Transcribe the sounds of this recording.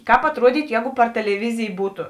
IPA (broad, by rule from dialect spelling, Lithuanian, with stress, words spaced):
ˈkɑːp ɐtˈruɔdʲiːtʊ ˈjɛːɡʊ pɐr tʲɛlʲɛˈʋʲɪzʲɪj ˈbuːtʊ